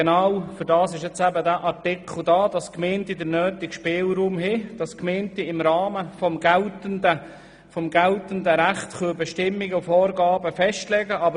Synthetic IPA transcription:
nawfʏɾdɑːsɪʃjɛt͡sæbədæːʔɑɾtɪkʰl̩ˠdɑːd̥ɑskmeːntidəɾnøːtɪkʃpeːlɾuːmɦɪd̥ɑskmeːntiɪmɾɑːməfɔmɡltəndə | fɔmɡaltəndəɾæχtχøbɛʃtɪmːɪɡəʊfɔːɾɡɑːbəfɛʃtlɛɡəʔɑb

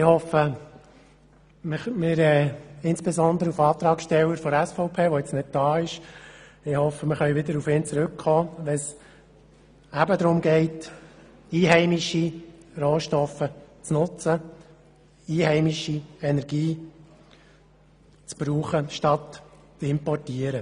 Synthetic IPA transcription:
ɪhɔfə | mɪmɪɾɛːɪnsb̥ɛzɔnd̪əɾəufɑːt̪ɾɑːksʃtɛwəɾfɔɾɛsfɔʊpʰeːʋojɪt͡snɪt̚d̥ɑːɪʃ | ɪhɔfəmɪχœʏʋɪd̪əɾufɪːnt͡sɾʏkχɔːʋɛns | æbəd̪ɾʊmɡɛɪt | iːɦɛɪmiʃiroːʃtɔfət͡snʊt͡sə | iːhɛɪmiʃiɛnɛɾɡ̥iː | t͡sb̥ɾuːχəʃtɑt̪ | t͡sɪmpɔrtiəɾə

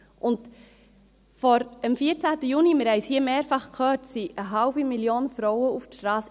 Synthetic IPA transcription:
ʔʊnt | fɔɾəmfiəɾt͡sæːtəjunimɪɾhɛɪshiəmeːɾfɑχkʰœːɾtsiʔəɦɑʊbimiljoːnfɾɔwəuftʃtɾɑːs

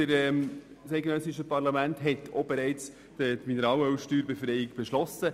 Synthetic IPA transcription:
əɾɛm | sɛɪɡnœsɪʃəpɑɾlɑmæntɦɛt̪ʰobeɾɛɪt͡s | d̥ətminəɾɑːwəwʃtyːɾbefɾɛɪɪkb̥eʃlɔsə

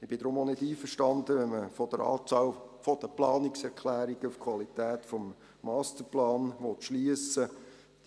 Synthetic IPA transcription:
ɪb̥ɪd̥̪ɾʊmonɪdiːfərʃtɑnd̪əʋɛnməfɔd̥əɾɑ̰ːt͡sɑːlfɔd̥əplɑːnɪksɛɾkʰlæːɾiɡ̥əufkʰwɑlit̪æːt̪fɔmː | ɑːstəɾplɑːnʋɔt̪ʃliəsə̥

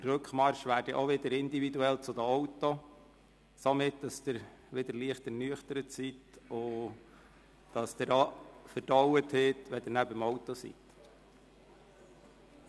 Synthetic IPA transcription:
d̥ərɾɵkχmɑɾʃʋæːɾdiʔoʋɪdəɾɪndividuɛlt͡sʊd̪əɔwtːo | somɪtd̥ɑsd̥ɪɾ | ʋɪd̪əɾliəχtɛɾnyəχtəɾətsitʊ | d̥ɑsd̥̪ɪɾɔfəɾd̥ɔwətheːt̪ʋɛd̥̪ɪɾnæbəmɔwtɔsḭt̪

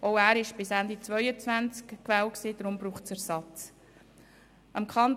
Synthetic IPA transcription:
ʔɔʊæːɾɪʃb̥ɪsænd̪it͡svœʏət͡svænt͡skkʋæːwksiːd̪ɾʊmbɾuːχsæɾsɑt͡s | ʔɑmkʰɑn

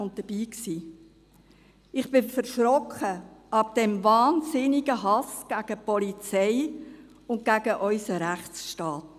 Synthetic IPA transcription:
ʊnt̚d̥əb̥iːksiː | ɪχb̥ɪfəɾʃɾɔkχəʔɑb̚d̥ɛmvɑːnzɪniɡəɦɑsɡ̥æɡ̥əpɔlit͡sɛɪ | ʊnt̚ɡ̥æɡəʔœʏsəɾæχtsʃtɑːt

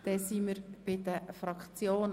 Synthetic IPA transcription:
d̥̪ɛsiməɾb̥ɪd̪əfɾɑkt͡sjoːn

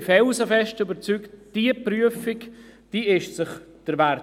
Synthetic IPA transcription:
fɛlsəfɛʃtʏbəɾt͡syktd̥iəpɾyəfɪkd̥iːɪʃsɪχd̥əɾvæɾ

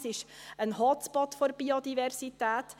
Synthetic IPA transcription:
sɪʃənhɑt͡spɑt̪fɔɾb̥iod̪ivɛrsitæːt

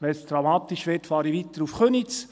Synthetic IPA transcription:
ʋɛstɾɑmɑːt̪iʃʋeːtfɑːɾiʋit̪əɾufχønit͡s

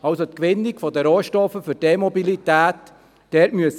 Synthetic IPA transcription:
ɑlsot̪kʋɪnːikfɔdəɾoːʃtɔfəfʏɾd̥emobilit̪æːtː | ɛtmyəs

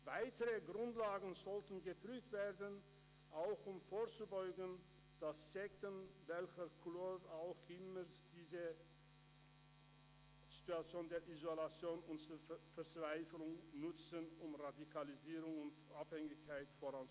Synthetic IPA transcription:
vaɪtəʁəɡʁʊntlaːɡn̩zɔltən̩ɡəpʁ̥yːftv̥eːɐdən | ʔaʊxʊmfoːɐt͡subɔʏɡən̩ | d̥asz̥ɛk̚tənvɛlçəkʰʊloːɾaʊxʔɪməsd̥iːzə | z̥i̥tuat͡sjoːndeːɐʔizolat͡sjoːnʊntfɛɐt͡sv̥aɪflʊŋnʊt͡sənʊmʁadikʰaliziːʁʊŋʊntʔaphɛŋɪçkʰaɪtfoʁan

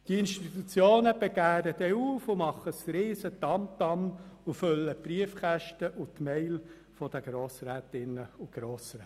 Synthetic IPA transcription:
tiɪnʃtit̪ut͡sjoːnəb̥eɡ̥æːdəd̪ɛuːfʊmɑχəsɾiːsət̪ɑmt̪ɑmʊfʏlːəpɾiəfχæʃtəʔʊt̪mɛɪl | fɔd̥̪əɡ̥ɾoːsɾæːt̪ɪnəʊɡ̥ɾoːsɾɛː

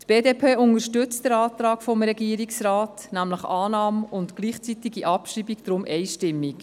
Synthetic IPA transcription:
tb̥eːdepʰeːʊnəʃtʏt͡std̥əɾɑːt̪ɾɑːkfɔmɾɛɡiːɾiksraːt | næmləχɑːnɑːmʊntɡ̥liːχt͡sitiɡiʔɑpʃriːbikd̥ɾʊmʔɛɪʃtɪmːik

